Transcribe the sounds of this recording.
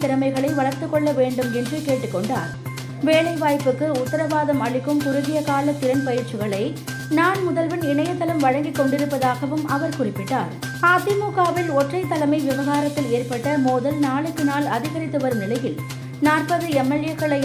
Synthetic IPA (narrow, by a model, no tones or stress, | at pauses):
t̪ɪɾɐmɐɪɣɐɭɐɪʋɐɭɐɾt̪ɯkːɔɭːɐʋeːɳɖɯmɛndrɯkeːʈːɯkːɔɳɖa̰ːɾ | ʋeːɭɐɪʋaːjpɯkːɯʊt̪ːɐɾɐʋaːðɐmɐɭɪkːɯmkʊɾɯðɪjɐkaːlɐt̪ːɪɾɐnpɐjɪɾt͡ʃːɯɣɐɭɐɪ | naːnmʊðɐlʋɪnɪɳɐjɐt̪ːɐlɐmʋɐɻɐŋɡɪkːɔɳɖɪɾɯpːɐðaːɣɐʋɯmɐʋɐɾkʊrɪpːɪʈːaːɾ | aːt̪ɪmuːkaːʋɪlɔʈrɐɪt̪ːɐlɐmɐɪʋɪʋɐɣaːɾɐt̪ːɪleːɾpɐʈːɐmoːðɐlnaːɭɯkːɯnaːlɐðɪɣɐɾɪt̪ːɯʋɐɾɯmnɪlɐjɪl | naːrpɐðɯɛmːɛlɪjɐkːɐɭɐɪ